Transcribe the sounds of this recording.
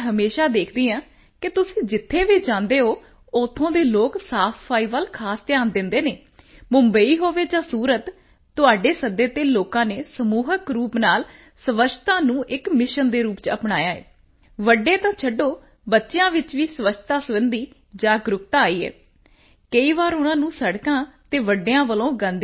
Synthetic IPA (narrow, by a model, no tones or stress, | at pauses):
ɦəmeːʃaːd̪eːkʰd̪iːãː | kɪt̪ʊsĩːd͡ʒɪt̪ʰːeːʋiːd͡ʒãːnd̪eːɦoː | ʊt̪ʰːõːd̪eːloːksaːfspʰaːiːʋəlkʰaːst̪ɪjaːnd̪ɪnd̪eːneː | mʊmbəiːɦoːʋeːd͡ʒãːsuːɾət̪ː | ʊaːɖeːsəd̪eːt̪eːloːkãːneːsəmuːɦəkɾuːpnaːl | səʋəʃʰt̪ãːnũːʔɪkmɪʃənd̪eːɾuːpt͡ʃəpnaːjaːɛ̰ː | ʋəɖẽːt̪ãːt͡ʃʰəɖːoː | bətːʃejãːʋɪt͡ʃʋiːsəʋət͡ʃʰt̪aːsəʋənd̪iː | d͡ʒaːɡɾʊp̚t̪aːaːiːɛ̰ː | kəiːʋaːɾʊnãːnũːsəɽkãːt̪eːʋəɖeãːʋəlõːɡə̃nd̪e